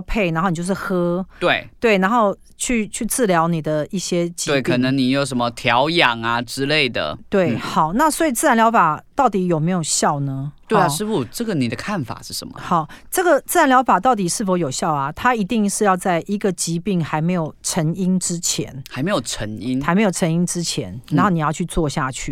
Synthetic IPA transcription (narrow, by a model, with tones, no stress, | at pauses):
pʰe˥˩ɪna˧˥xo˥˩n˨˧jo˥˧ʂ̩˥˩xɤ˥t̪we˥˩ɪt̪we˥˩ɪna˧˥nxo˥˧ʊ | t͡ɕʰy˥˧t͡ɕʰy˥˧t͡sɹ̩˥˩ljɑ˧˥ʊni˨˩d̪ə˦i˥˩ɕjɛ˥t͡ɕi˧we˥˩ɪkʰɤ˨˩nə˧˦ŋni˨˩jo˨˥ʊʂə˧˦nmə˧t̪ʰjɑ˧˦ʊjɑ˨˩ŋa˨ʈ͡ʂɻ̩˦˥le˥˩ɪd̪ə̰˩t̪we˥˩ɪxɑ˨˩ʊna˥˨swɔ˧˥i˨˩t͡sɹ̩˥˩a˦˥nljɑ˧˥ʊfa˨˩t̪ɑ˥˩ʊt̪i˨˥jo˨˩ʊme˧˥ɪjo˨˩ʊɕjɑ˥˩ʊnə˦t̪we˥˩ɪa˨ʂɻ̩˥˧fu˨˩ʈ͡ʂɤ˥˩ɡə˨ni˨˩d̪ə˦kʰa˥˩nfa̰˨˩ʂɻ̩˥˩ʂə̰˧˦mə̰˦˩xɑ˨˩ʊʈ͡ʂɤ˥˩ɡə˩t͡s̩˥˩ɻa˧˦nljɑ˧˥ʊfa˨˩t̪ɑ˥˩ʊt̪̬i˨˩ʂɻ̩˥˩fo˧˥ʊjo˨˩ʊɕjɑ˥˩ʊɐ˩t̪ʰa˥i˧˥t̪i˥˧ŋʂɻ̩˥˧jɑ˥˧ʊt͡sa˥˩ɪʔi˧˥ɡə˨t͡ɕi˧˥pi˥˩ŋxa˧˥ɪme˧˥ɪjo˨˩ʊʈ͡ʂʰə˧˥ŋi˥nʈ͡ʂɻ̩˦t͡ɕʰjɛ̰˧˥nxa˧˥ɪme˧˥jo˨˩ʈ͡ʂʰə˧˥ŋi˦˥nxa˧˥ɪme˧˥ɪjo˨˩ʈ͡ʂʰə˧˥ŋi˥ŋʈ͡ʂɻ̩˥t͡ɕʰjɛ̰˧˥na˨˧nxo˥˩n˨˩jɑ˥˧t͡ɕʰy˥˧t͡swɔ˥˧ɕja˥˧t͡ɕʰy̰˥˩